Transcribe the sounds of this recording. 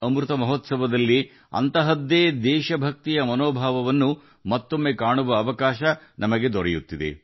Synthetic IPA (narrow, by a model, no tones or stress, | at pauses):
ɐmɾut̪ɐmɐɦot̪sɐʋɐd̪ɐlːi | ɐ̰nt̪ɐɦɐd̪eːd̪ɛːʃɐbʱɐk̚t̪ijɐmɐnoːbʱaːʋɐʋɐnːu | mɐt̪ːo̞mːekaːɳuʋɐːʋɐkaːʃɐnʔɐmɐɡe̞d̪ɔɾejut̪ːid̪e̞̰